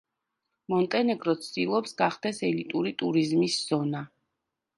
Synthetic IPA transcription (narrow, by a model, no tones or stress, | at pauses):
mɔnt̪ʼɛnɛɡɾɔt̪sʰd̪ilˠɔpsɡaχd̪ɛsɛlit̪ʼuɾit̪ʼuɾizmisz̥ɔna